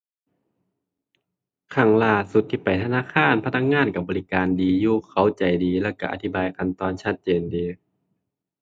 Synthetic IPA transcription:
kʰa˧˩ŋlaː˧˩su˨˧t̪ʰːiː˧˩pa˨˩jt̪ʰa˧naː˧˥˨kʰaː˧˥˨npʰa˧t̪̚na˧˥k̚ŋaː˧˥˨nka˧˩bɔː˨li˦˧kaː˨ndiː˨˧juː˧˩kʰa˧˩wt͡ɕa˨˩jdiː˨˦lɛː˧˩˨wka˧˩ʔa̰˧t̪ʰi˦˥˩baː˨˧jka˧nt̪ɔː˧nt͡ɕʰa˧˩t̪̚t͡ɕeː˨ndiː˨˧

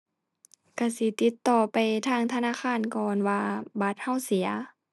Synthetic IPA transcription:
ka˧˩si˧˦t̪i˧˦t̪ːɔː˧˩pa˨jt̪ʰaː˧˨ŋt̪ʰa˧naː˧˥˨xʰaː˧˥˨nkɔː˨nwaː˧ba˧˦t̪̚ha˧˥˨wsi˩˦ɐ

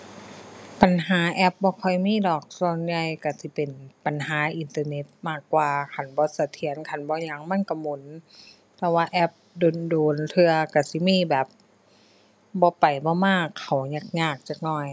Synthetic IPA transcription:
pa˨nɦaː˨˦ʔɛ˧˦p̚bɔː˧˦kʰɔ˧˩jmiː˧˥˨dɔː˨˩k̚sɔː˧˩nja˧jka˧˩si˧˦pe˨˩npa˨nɦaː˨˦ʔi˨nt̪ɤː˧ne˧˦t̪̚maː˧˩kːwaː˧kʰa˧˨˩nbɔː˧˦sa˧t̪ʰi˨˦ənkʰa˧˨˩nbɔː˧˦ɲa˧˦ŋma˧˥˨nka˧˩mo˨˦n | t̪ɛ˧waː˧ʔɛ˧˥p̚doː˨ndoː˨˦nt̪ʰɯ˧ɐka˧˩si˧˦miː˧˥˨bɛː˨˩p̚ | bɔː˧˦pa˨˩jbɔː˧˦maː˧˥˩kʰːa˨˩wɲa˧˩k̚ɲaː˧˩k̚t͡ɕaː˧˩k̚nɔː˧˩j

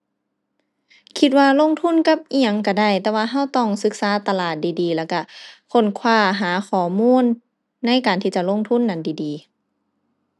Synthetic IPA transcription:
kʰi˧t̪̚waː˧lo˧˥˨ŋt̪ʰu˧˥˨nka˧˥˩p̚ʔi˧a˧˩ŋka˧˩da˧˩˨jt̪ɛː˧waː˧ɦa˧˥˨wt̪ɔː˧˩ŋsɯ˧˥k̚saː˨˦t̪a˧laː˨˩t̪̚diː˨diː˨˦lɛː˧˩wka˧˩kʰo˧˥˨nkʰwaː˧˩ɦaː˨˦xʰɔː˨˦muː˧˥˨nː | a˧˥˨jkaː˨nt̪ʰiː˧t͡ɕa˧˨lo˧˥˨ŋt̪ʰu˧˥˨nːa˧˩ndiː˨˩diː˨

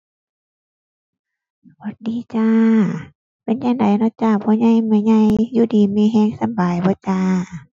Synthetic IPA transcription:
bɔ˧˦t̪̚diː˨˦t͡ɕaː˧ | pe˨˦nɲa˧˩ŋda˨jnɔ˧˥˦t͡ɕaː˧˩bɔː˧˦ɲa˧˨jmɯ˧ɲa˧˨jjuː˧˨diː˨˦miː˧˨ɦɛː˧˨ŋsa˧˦mbaː˨jbɔː˧˦t͡ɕaː˧

